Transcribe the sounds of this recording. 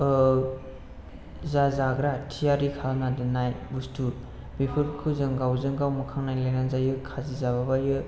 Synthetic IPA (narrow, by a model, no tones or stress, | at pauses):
zazaɡɾatʰijaɾikʰanadɯnajbustʰuɾ | bipʰɯɾkʰɯzɯŋɡawzɯŋɡawmɯkʰaŋnajlajnaŋzajɯkʰazizaβabajɯ